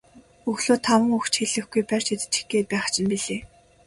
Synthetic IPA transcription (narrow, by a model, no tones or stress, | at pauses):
ɵɣɮoːt̪ʰawə̆ŋɵxt͡ɕxeɮɘ̆xɡujpær̥ʲt͡ɕet̪ɘ̥̆t͡ɕĭ̥xɡeːpæːχt͡ɕʰɪ̆mpiɮeː